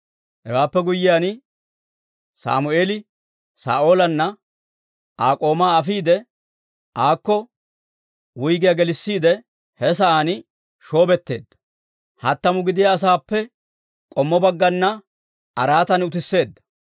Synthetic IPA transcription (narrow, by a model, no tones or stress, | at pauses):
hɛ̰waːpːɛɡʊjːɪjaːn | sa̰ːmʊeːlɪ | sa̰ːʔo̞ːlɐnːɐ | ʔaːkʼo̞ːmaːɐfiːd̪ɛ | ʔaːkːɔ | wʊjɡɪjɐɡɛlɪsːiːd̪ɛ | hɛs̬ɐaːn | ʃo̞ːbɛt̪ːe̞̰ːd̪ːɐ̥ | hɐt̪ːɐmʊɡɪd̪ɪjaːs̬aːpːɛ | kʼɔmːɔbɐɡːɐnːɐ | ɐɾaːt̪ɐnʊt̪ɪsːe̞ːd̪ːɐ̥